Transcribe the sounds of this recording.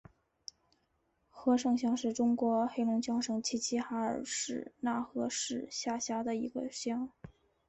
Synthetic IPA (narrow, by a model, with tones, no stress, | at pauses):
xɤ˧˥ʂɤ˥˧ŋɕ̬jɑ˥ŋʂɻ̩˥˩ʈ͡ʂʊ˥ŋkwɔ˧˥xe˥ɪlʊ˧˥ŋt͡ɕjɑ˥ŋʂɤ˥˩ŋt͡ɕʰi˥t͡ɕʰi˥xa˧˥ə̰˞˨˩ʂɻ̩˥˩˧na˥˩xɤ˧˥ʂɻ̩˥˩˧ɕja˥˩ɕja˥d̪ə˨i˧˥ɡə̰˧ɕjɑ˥ŋ